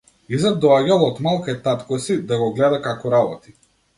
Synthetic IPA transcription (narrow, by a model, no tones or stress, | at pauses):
izad̪̚d̪ɔaɟalˠɔt̪malˠkajt̪at̪kɔsid̪aɡɔɡlɛd̪akakɔɾabɔt̪i